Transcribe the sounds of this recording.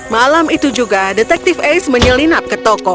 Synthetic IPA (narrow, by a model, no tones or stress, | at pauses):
malamit̪ud͡ʒuɡadɛt̪ɛk̚t̪ifejsməɲəlinap̚kət̪ɔkɔ